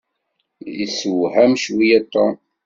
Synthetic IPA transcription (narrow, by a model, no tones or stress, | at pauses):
iswhæmʃwijæt̪ˤːɑ